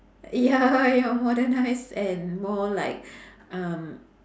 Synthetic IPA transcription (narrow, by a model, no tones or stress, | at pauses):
jajɔmɔdənaɪsɛ̃nmɔlaɪk̚ | ʔʌ̃m